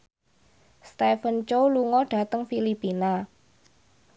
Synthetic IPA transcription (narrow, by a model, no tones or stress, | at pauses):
st̪ɛfənt͡ʃowluŋɔɖ̥a̤t̪əŋfilipina